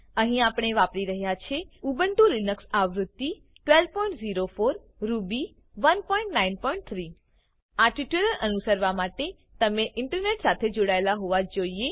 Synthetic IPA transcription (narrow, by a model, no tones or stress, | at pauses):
əɦĩapɽ̃eʋapɽiɾəɦjat͡ʃʰeubəɳʈũɾinəksaʋɾʊd̪ːi | ʈʋelpɔĩɳʈziɾofoɾː | ubi | ʋənpɔĩɳʈnainpɔĩɳʈ̚t̪ʰɾi | aʈiʈjuləɾʔənusəɾʋamaʈe | t̪əmeʔɪɳʈəɾneʈsat̪ʰed͡ʒoɽaelaɦoʋad͡ʒoie